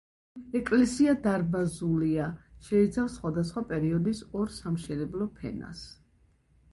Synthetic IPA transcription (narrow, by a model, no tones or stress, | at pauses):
ɛkʼlɛsiad̪aɾbazuliaʃɛit̪sʰafsχwad̪asχwapʼɛɾiɔd̪isɔɾsamʃɛnɛblˠɔpʰɛ̰na̰s